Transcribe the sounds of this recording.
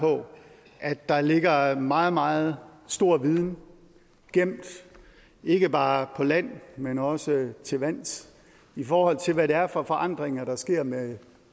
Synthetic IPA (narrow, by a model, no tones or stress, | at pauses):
pʰɒ̽ | ʔæd̥ːɑ̈le̝ɡ̥ɐmɑ̈ːð̞̩ˠmɑ̈ːð̞̩ˠsd̥o̝ɐ̰ʋið̞ˠn | ɡ̥em̰d̥ | e̝ɡ̥əb̥ɑ̈ːpʰɒ̽læn̰menɒ̽sət͡sʰe̝ʋæn̰s | ifɒːhɒ̽l̰t͡sʰe̝lʋæɾe̝æɐfɒ̽fɒ̽ʔɑ̈n̰d̥ʁeŋɐɾ̥ɑ̈sɡ̥e̝ɐ̰me